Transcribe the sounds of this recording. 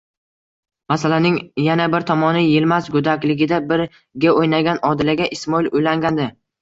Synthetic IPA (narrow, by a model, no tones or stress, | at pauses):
masalanɪŋjanabɪɾt̪ʰɒmɒnɪjɪlmazɡʊd̪akʲlɪɡʲɪd̪abɪɾ | ɡʲaojnaɡʲanɒd̪ɪlaɡʲaʔɪsmɒilʊjlaŋɡʲand̪ɪ